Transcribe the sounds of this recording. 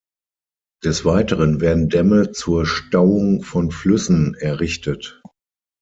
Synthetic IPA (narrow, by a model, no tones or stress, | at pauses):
d̥ɛsv̥aɪtəʁənvɛːɐdn̩dɛmət͡suːɐʃtaʊʊŋfɔnflʏsn̩ɛɐʁɪçtət